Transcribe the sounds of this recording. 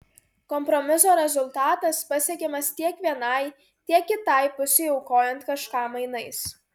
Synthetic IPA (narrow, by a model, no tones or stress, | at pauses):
kɔmpɾɔmʲɪsoːɾʲɛzʊlˠt̪ɑːt̪ɐspɐsʲiɛkʲeːmɐst̪ʲiɛkʋʲiɛnɐɪ | t̪ʲiɛkʲːɪt̪ɐɪpʊsʲɛɪɔʊkoːjɛnt̪kɐʃkɑmɐɪnɐɪs